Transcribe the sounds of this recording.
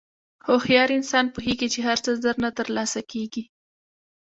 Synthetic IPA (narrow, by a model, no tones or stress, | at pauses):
xoxjɑɾiɪnsɑnpuɦeɡit͡ʃeɦaɾt͡səzəɾnat̪əɾlɑsakeɡi